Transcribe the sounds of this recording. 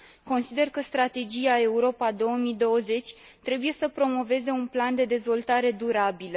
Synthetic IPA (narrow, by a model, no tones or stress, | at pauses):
ko̞nsid̪e̞rkəst̪ɾat̪e̞d͡ʒiae̞uɾo̞pad̪o̞wəmid̪o̞wəze̞t͡ʃʲ | t̪ɾe̞buje̞səpɾo̞mo̞ve̞ze̞unpland̪e̞d̪e̞zvo̞lt̪aɾe̞d̪uɾabilə